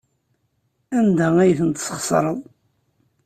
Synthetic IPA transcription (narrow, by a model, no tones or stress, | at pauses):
ænd̪ææjθənt̪səχsˤɾˤəðˤ